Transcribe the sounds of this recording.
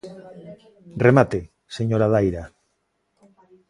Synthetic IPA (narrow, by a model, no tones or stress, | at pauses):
remat̪e | seɲoɾaðajɾa